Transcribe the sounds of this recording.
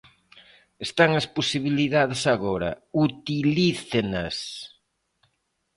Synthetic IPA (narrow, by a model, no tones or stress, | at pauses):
est̪aŋɐsposiβiliðaðɪsaɣɔɾɐ̰ut̪iliθenɐs